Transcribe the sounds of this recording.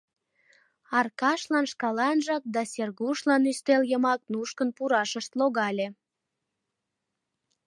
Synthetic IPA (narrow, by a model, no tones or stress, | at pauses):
ɑrkɑʃlɑnʃkɑlɑnʒɑk̚d̪ɑsʲerɣuʃlɑnyst̪eljəmɑk̚nuʃkənpuɾɑʃəʃt̪loɣɑlʲe